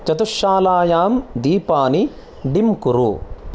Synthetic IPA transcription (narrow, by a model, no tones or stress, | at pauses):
t͡ʃɐt̪uʃaːlaːjaːmd̪iːpaːni | ɖimkuɾu